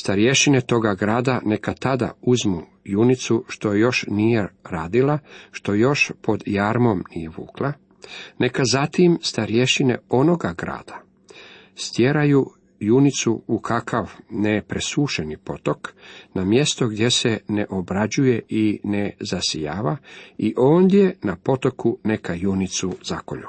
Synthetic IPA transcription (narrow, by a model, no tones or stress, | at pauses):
st̪aɾije̞ʃine̞t̪o̞ɡaɡɾaːd̪ane̞kat̪ad̪a̰uzmu | junit̪suʃt̪o̞jejo̞ʃnijeɾaːd̪ilaʃt̪o̞jo̞ʃpo̞d̪jaɾmo̞mnijeʋṵːklˠa | ne̞kazat̪imst̪aɾje̞ʃine̞̰o̞no̞ɡaɡɾa̰ːd̪̥ḁ | st̪jeɾaju | junit̪suːkʰakʰaʋnepɾesuːʃe̞nipo̞t̪o̞knamje̞st̪o̞ɡd̪ʲje̞se̞neʔobɾad͡ʑuje̞ʔinezasijaːʋaiʔo̞ːnd̪je̞napo̞t̪o̞kune̞kajunit̪suzako̰ʎu